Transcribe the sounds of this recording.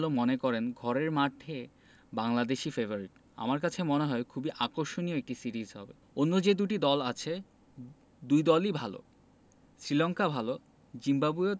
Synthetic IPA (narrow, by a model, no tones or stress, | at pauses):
lomonekɔɾenɡʱɔɾeɾmaʈʰːe | baŋlad̪eʃifevoɾiʈ | a̰maɾkat͡ɕʰemoneɦɔekʰubiʔakoɾʃonijoek̚ʈisiɾizɦɔ̰bḛ | onːod͡ʑed̪uʈid̪ɔlat͡ɕʰe | d̪ujd̪ɔlibʱalo̰ | sɾilɔŋkabʱalo | d͡ʑimbabue